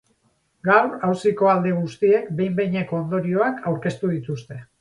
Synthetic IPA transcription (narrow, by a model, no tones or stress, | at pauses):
ɡawɾawsiko̞ald̪e̞ɣ̞ust̪ie̞kbe̞jmbejɲeko̞ːnd̪o̞ɾio̞akʰawɾke̞st̪uð̞it̪ust̪e̞